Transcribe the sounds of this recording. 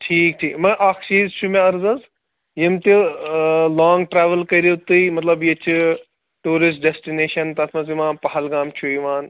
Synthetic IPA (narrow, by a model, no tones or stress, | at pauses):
ʈʰiːk̚ʈʰiːkmɐ̃ʔaːkʰt͡ʃiːzt͡ʃʰumẽɐɾzɐz | jimt̪i | laːŋɡʈɾaːʋɐlkɐiɾot̪ɨimɐt̪lɐbjit͡ʃʰ | ʈuːɾɪs̬ʈ̚ɖesʈineːʃɐnt̪ɐt̪ʰmɐzimãːpɐɦɐlɡaːmt͡ʃʰuiʋaːn